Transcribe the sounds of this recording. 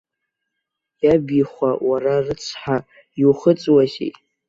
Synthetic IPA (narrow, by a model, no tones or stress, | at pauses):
jabiχʷawararɨt͡sʰħa | iuχət͡sʼwazḛtʼ